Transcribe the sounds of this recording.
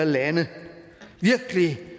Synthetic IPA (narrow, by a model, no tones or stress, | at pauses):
ɐlænə | ʋiɐɡ̥əli